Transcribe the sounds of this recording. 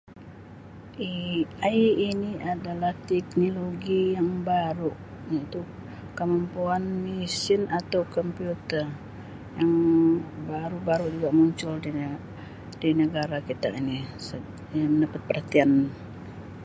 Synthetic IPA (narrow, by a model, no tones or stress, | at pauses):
ʔiaːniadalaht̪ɛk̚noloɡijaŋbaɾuʔ | jait̪u | kəmampuanmisɪnat̪awkɔmpiut̪ər | jaŋbaɾubaɾud͡ʒuɡaʔmuɲt͡ʃʊldi | dinəɡaɾakit̪a̰inisə | məndapat̪̚pərhat̪ian